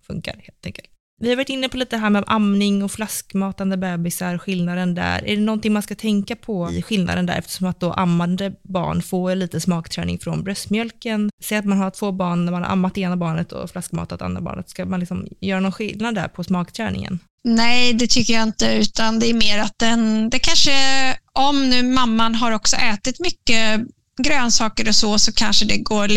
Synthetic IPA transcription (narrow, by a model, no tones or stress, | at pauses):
fɵ̰ŋka̰ɾheːlt̪ʰɛ̰ŋkəlt̪ | vɪhaɾvaʈːɪnːəpʰɔliːt̪əd̪ɛɦæːmɛʔamnɪŋɔflaskmɑːt̪and̪əbɛːbɪsaɾɔɧɪlnad̪ənd̪æ̰ɾæ̰ɖɛnɔnt̪ɪŋmanskat̪ʰɛŋkapʰɔɧɪlnʔa̰d̪ənd̪æ̰ɾʔɛ̰ft̪ə̥ʂɔmat̪̚d̪ɔʔa̰mːand̪əbɑ̰ːɳfoːliːt̪əsmɑːkt̪ʰɾɛ̰ːnɪ̰ŋfɾɔnbɾœst̪mjœlkənseːat̪manɦaʈʰv̥oːbɑːɳnæɾmanha̰ɾʔa̰mːat̪ːeːnabɑːɳət̪ʰɔ̰flaskmɑ̰ːt̪at̪a̰nd̪ɾa̰bɑ̰ːɳət̪skamanlɪksɔmjœːɾanɔnɧɪlnad̪ːæ̰ɾpʰɔsmɑːkt̪ʰɾɛːnɪ̰ŋə̰n | nɛjd̪ɛt̪ʰʏkːəjaɪnt̪əʉ̟ːt̪and̪ɛæɾmeːɾat̪̚d̪ɛnd̪ɛkʰanʂəʔɔmnʉ̟ːmamːanɦaɾɔksɔ̰ʔɛːt̪ɪt̪mʏkːə | ɡɾøːnsɑːkəɾɔsɔsɔkʰanʂəd̪ɛɡoː